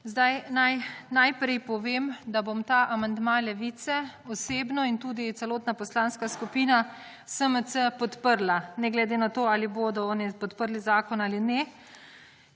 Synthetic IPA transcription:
zd̪ajnajnajpɾɛjpɔʋeːmd̪abomt̪aʔamand̪mãlɛʋiːt̪sɛɔseːbnɔint̪uːd̪it̪sɛloːt̪napɔslanskaskupiːna | səməsəpɔt̪pəɾlanɛɡlɛd̪eːnat̪oːaːliboːd̪ɔɔːnipɔt̪pəɾlizaːkɔnaːlinɛ

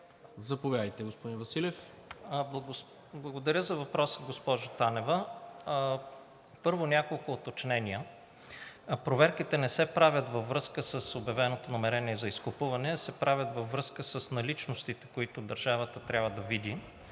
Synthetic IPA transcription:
zɐpovʲjad̪əjt̪ɛɡospod̪ĩnvɐsilʲɛf | blˠɐɡ | blˠɐɡod̪ɐɾʲəzɐvɐpɾɔsəɡospɔʒʊt̪anɛvə | pɤɾvonʲakolˠkʊːt̪ot͡ʃnɛnʲiə | pɾovɛɾkit̪ɛnɛsɛpɾavʲət̪vɐvːɾɤskəsəsobjɐvɛnot̪onɐmɛɾɛniɛzɐiskopuvɐnɛsɛpɾʔavʲət̪vɐvːɾɤskəsəsnɐlit͡ʃnost̪it̪ɛ̥koit̪ʊd̪ɐɾʒavət̪ət̪ɾʲabvəd̪ɐvid̪i

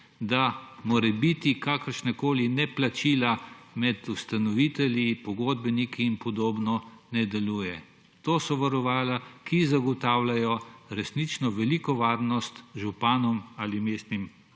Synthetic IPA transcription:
d̪amoːɾɛbit̪ikakəɾʃnɛkoːlinɛplat͡ʃiːlamɛt̪ust̪anɔʋit̪ɛlipɔɡod̪̚bɛnikiːnpɔd̪oːbnɔnɛd̪ɛluːjɛ | t̪oːsɔʋaɾɔʋaːlakizaɡɔt̪aːwlajɔɾɛsnit͡ʃnɔʋɛlikɔʋaːɾnɔst̪ʒupaːnɔmaːlimeːst̪nim

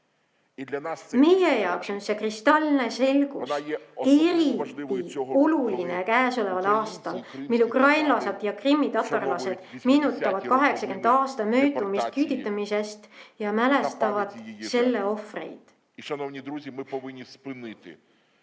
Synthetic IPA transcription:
me̞jejɑwkso̞nse̞krist̪ɑlne̞se̞lɡ̥use̞ɾit̪ːˑio̞luline̞kæːso̞le̞vɑlɑːst̪ɑlmilːukrɑjnlɑsed̪̥jɑkrimːit̪ɑt̪ːˑɑrlɑse̞d̪̥miːnut̪ːˑɑvɑd̪kɑɦe̞ksɑkend̪ɑːst̪ɑmøːt̪ˑumist̪̚kyːd̪̥it̪ːˑɑmise̞st̪jɑmæle̞st̪ɑvɑd̪se̞lːe̞o̞frḛjd̪̥ | nownʲid̪ɾuzʲimɪɪnʲːispɨnɪt̪ɪ̰

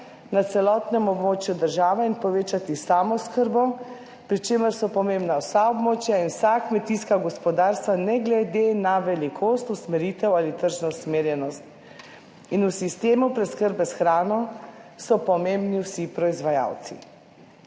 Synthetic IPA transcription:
nat̪sɛlɔt̪nɛmɔbmoːt͡ʃjud̪əɾʒaːʋɛinpɔʋeːt͡ʃat̪isaːmɔskəɾbɔ | pɾit͡ʃeːməɾsɔpɔmembnawsaɔbmoːt͡ʃjainwsakmɛt̪iskaɡɔspɔd̪aɾst̪ʋanɛɡlɛd̪enaʋɛlikʰoːst̪usmɛɾit̪ɛwalit̪əɾʒnɔusmeːɾjɛnɔst̪ | inusist̪eːmupɾɛskəɾbɛsxɾaːnɔsɔpɔmembniwsipɾɔizʋaja̰wt̪sḭ

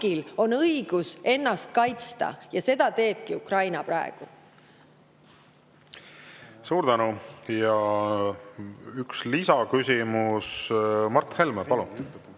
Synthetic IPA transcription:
ɡ̥ilo̞nɤjɡ̥use̞nːɑst̪̚kɑjt̪st̪ɑ̰jɑse̞d̪̥ɑt̪e̞ːb̥̚kiukrɑjnɑpɾɑ̰eɡ̥u | suːɾd̪ænujɑ | ykslisɑkysʲimusmɑrt̪ːhelmepɑlun

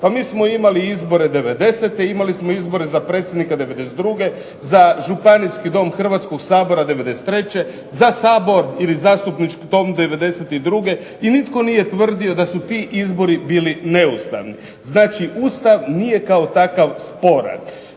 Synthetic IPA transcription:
pamiːsmo̞imaliizbo̞ɾe̞d̪e̞ʋe̞d̪e̞set̪e̞imalismo̞izbo̞ɾe̞zapɾet̪sʲjed̪nikad̪e̞ʋed̪e̞set̪ɾuɡe̞ | zaʒupaniskid̪o̞ːmxr̩ʋat̪sko̞ɡsaːbo̞ɾad̪e̞ʋe̞d̪e̞se̥t̪ːɾe̞t͡ɕe̞ | zasaːbo̞ɾilizaːst̪upnit͡ʃkid̪o̞md̪e̞ʋe̞d̪e̞set̪id̪ɾuɡe̞ | init̪ko̞nije̞t̪ʋr̩d̪io̞d̪asut̪iʔizbo̞ɾibiːline̞ust̪a̰ʋni | znaːt͡ʃiʔuːst̪aʋnije̞kaot̪akaʋspo̞ɾa̰n

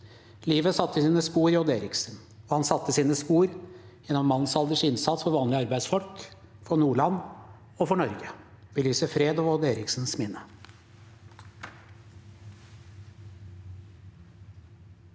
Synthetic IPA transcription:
liːʋəsɑt̪ːəsiːnəspuːɾɪɔd̪eːɾɪksn̩ | ɔhɑnsɑt̪ːəsiːnəspuːɾjɛnːɔmːɑnnsɑld̪əʂɪnsɑt̪sfɔɾʋɑːnlɪɑɾbæɪsfɔlk | fɔnuːɭɑnː | ɔfɔɳɔɾɡə | bəlyːsəfɾeːd̪ɑʋɔd̪eːɾɪksn̩smɪnːə

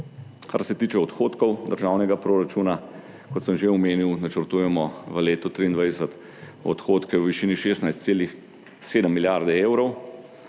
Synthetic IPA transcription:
ka̰ɾsɛt̪iːt͡ʃɛɔt̪xot̪kɔwd̪əɾʒaːwnɛɡapɾoɾat͡ʃuːna | kɔt̪səmʒeɔmeːniwnat͡ʃəɾt̪uːjɛmɔʋəleːt̪ɔt̪ɾiːnd̪ʋajd̪ɛsət̪ | ɔ̰t̪xoːt̪kɛwəʋiʃiːniʃeːst̪najst̪seːlix | seːd̪əmːiljaɾd̪ɛeːwɾɔw

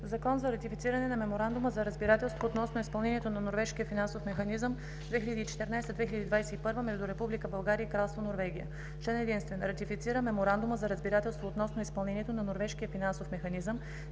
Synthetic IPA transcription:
zɐkɔnzɐɾɐt̪ifit̪siɾɐnɛnɐmɛmoɾand̪uməzɐɾəzbiɾat̪ɛlˠst̪voːt̪nɔsnoispɐlˠnɛniɛt̪onɐnoɾvɛʃkijəfinansofmɛxɐnizəm | d̪vɛxiləd̪iːt͡ʃɛ̥t̪ɛɾnajst̪əd̪vɛxiləd̪id̪vajsɛipɤɾvəmɛʒd̪ʊɾɛpublikəbɐlˠɡaɾiəikɾalˠst̪vonoɾvɛɡ̟ijə̰ | t͡ʃɛnɛd̪inst̪vɛnɾɐt̪ifit̪siɾəmɛmoɾand̪uməzɐɾəzbiɾat̪ɛlˠst̪voːt̪nɔsnoispɐlˠnɛnʲiɛt̪onɐnoɾvɛʃkijəfinansofmɛxɐnizəm

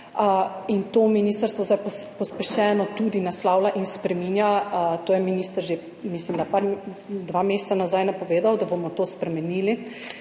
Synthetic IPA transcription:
int̪oːminist̪əɾst̪ʋɔzd̪ajpɔpɔspɛʃɛːnɔt̪ud̪inaslaːwlaʔinspɾɛminjat̪oːjɛminist̪əɾʒe | mislimd̪apaɾ | d̪ʋamesɛ̥t̪sanazajnapɔʋeːd̪awd̪abomɔt̪oːspɾɛmɛniːli

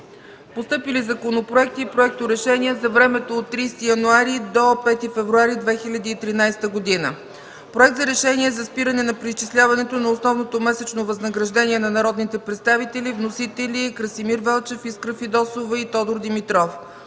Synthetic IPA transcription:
post̪ɤpilizɐkonopɾoɛk̚t̪iːpɾoɛk̚t̪oɾɛʃɛniɛzɐvɾɛmɛt̪oːt̪ːɾist̪ijɐnuaɾid̪opɛt̪ifɛvɾuaɾid̪vɛxilʲɐd̪iːt̪ɾinajst̪əɡod̪inə̰ | pɾoɛkt̪zɐɾɛʃɛnʲiɛzɐspiɾənɛnɐpɾist͡ʃislʲavɐnɛt̪onɐosnɔvnot̪omɛsɛt͡ʃnovɐznəɡɾɐʒd̪ɛnʲiɛnɐnɐɾɔd̪nit̪ɛpɾɛt̪st̪avit̪ɛlivnosit̪ɛlikɾəsimiɾvɛlˠt͡ʃɛfiskɾəfid̪ɔsovəit̪ɔd̪oɾd̪imit̪ɾɔf

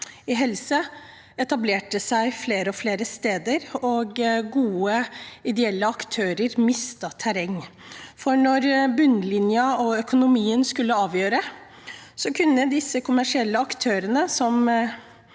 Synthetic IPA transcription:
ɪɦɛlsə | ɛt̪ɑbleːʈəsæɪfleːɾəɔfleːɾəst̪eːd̪əɾɔɡɡuːəɪd̪ɛɛlːəɑkt̪ʰøːɾəɾmɪst̪ət̪ʰæɾɛŋː | fɔɳɔɾbʉnːlɪnjɑɔœkʊnʊmiːənskʉlːəɑːʋjøːɾə | sɔkʰʉnːəd̪ɪsːəkʰʊmæʂɪɛlːəɑkt̪ʰøːɾənəsɔm

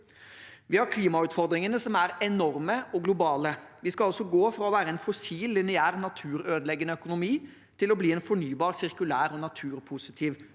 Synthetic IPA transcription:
ʋɪhɑɾkʰliːmɑʉːt̪fɔɾd̪ɾɪŋənəsɔmæɾɛnɔɾməʔɔɡlʊbɑːləʋɪskɑɑlsɔɡoːfɾɑɔʋæːɾəɛnfɔsiːlːɪnɪæːʁnɑt̪ʰʉːɾøːd̪əlɛɡənəœkʊnʊmiː | t̪ʰɪlɔbliːɛnfɔɳyːbɑːʁsɪɾkʉlæːɾɔnɑt̪ʰʉːɾpʰʊsɪt̪ʰiːʋ

